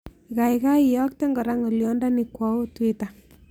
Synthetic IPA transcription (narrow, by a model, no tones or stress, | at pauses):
ikaikaijɔk̚teŋɡɔɾaŋoljɔndanikwɔwotweta